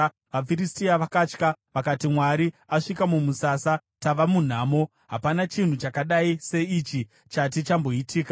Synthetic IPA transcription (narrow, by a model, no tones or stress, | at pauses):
ʋafiristiaʋakaːt͡ʃkaʋakatimwaɾiaʂikamumusaːsa | taʋamun̤aːmo̞ | ɦapanat͡ʃin̤ut͡ʃakaɗaise̞it͡ʃi | t͡ʃat̬it͡ʃambo̞itʰiːka